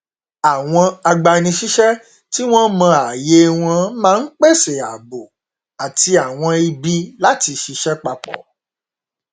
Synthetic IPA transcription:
a˨w̃ɔ̃˧a˧ɡ͡ba˧nĩ˧ʃi˦ʃɛ˦ | ti˦w̃ɔ̃˦mã˧a˨je˨˦w̃ɔ̃˧˦mãː˦˧˦k͡pe˦˨se˨a˨bo˨ | a˨ti˧a˨w̃ɔ̃˧i˧bi˧la˦ti˧ʃi˧˦ʃɛ˦k͡pa˧k͡pɔ̰˨

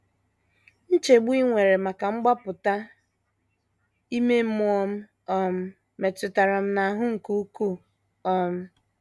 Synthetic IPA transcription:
n̩˦t͡ʃe˨ɡ͡bu˦i˦ŋʷe˨ɾe˨ma˨ka˨ŋ͡m̩˦ɡ͡ba˦pʊ˨ta˦ | i˦me˦m̩˦m˦ɔ˦m̩˦ | ɔ˦m̩˦ | me˨tʊ˨ta˨ɾa˨m̩˦na˨a˨ɦʊ˦ŋ̩˨ku˦ku˦˨ | ɔ˦m̩˦

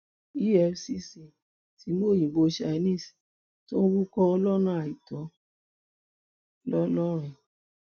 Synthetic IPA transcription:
i˦ɛ˧fsi˦si˨ | ti˨˧˦mo˦˨jĩ˨bo˧˦ʃa˧˨˧nĩ˦˨si˨ | to˦ɾu˦kɔ˧ɔ˧lɔ˦nã˦a˨i˨tɔ˨˦ | lɔ˦lɔ˦ɾ̃ĩ˨

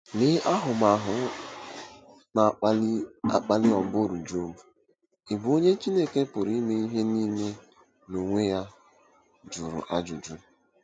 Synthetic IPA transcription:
nɪ˦ʔa˦ɦʊ˨ma˨ɦʊ˨˦ | na˨˦ | a̰˨k͡pa˦lɪ˦ɔ˨bo˦˨ɾu˨d͡ʒo˦mu˨ | ɪ˨bo˦ɲe˦t͡ʃi˦ne˦ke˦pʊ˨ɾi˦me˦i˦ɦe˦ni˦me˦ | no˨ŋʷe˦ja˦ | d͡ʒʊ˨ɾʊ̰˨ʔa˦d͡ʒʊ̰˨d͡ʒʊ˦

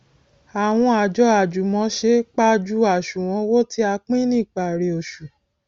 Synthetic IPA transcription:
a˨w̃ɔ̃˧a˨d͡ʒɔ˧˦a˨d͡ʒu˨mɔ̃˨˧˦ʃe˦k͡pa˦d͡ʒu˦a˨ʃu˨w̃ɔ̃˧˦wo˦ti˦a˧k͡pĩ˦nĩ˦˨k͡pa˨ɾe˨o˨ʃu˨

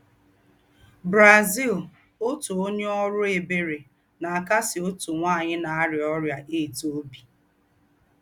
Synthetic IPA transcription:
bɾa˨zi˦˨l | o˦tu˨o˦ɲe˦ɔ˦ɾʊ˦e˨be˦ɾe˨ | na˨ka˦sɪ˨o˦tu˨ŋʷaː˦˨ɲɪ˦na˨˦ɾɪ˨ɔ˦ɾja˨ʔe˦˨to˦bi˨

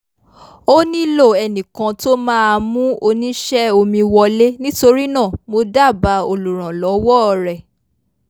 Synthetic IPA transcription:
o˦nĩ˦lo˦˨ɛ˨nĩ˨kã˧to˦mãː˦a˧mũ˦o˧nĩ˦ʃɛ˦o˧mĩ˧wɔ˧le˦nĩ˦to˧ɾi˦nã˦˨mo˧da˦˨ba˨˦o˧lu˨ɾ̃ã˨lɔ˨˦wɔ˦˨ɾɛ˨

